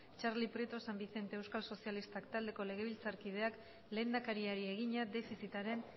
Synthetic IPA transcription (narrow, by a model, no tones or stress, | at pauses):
t͡ʃaɾlipɾet̪o̞sambiθe̞nt̪e̞ewskalso̞sialist̪akt̪ald̪e̞ko̞le̞ɣ̞e̞β̞ilt͡saɾkið̞e̞ak | le̞ːnd̪akaɾiaɾie̞ɣ̞iɲad̪e̞fisit̪aɾe̞n